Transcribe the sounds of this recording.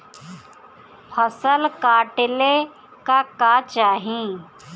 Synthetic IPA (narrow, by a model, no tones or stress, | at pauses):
pʰəsəlkaːʈɪle | kakat͡ʃaːɦĩ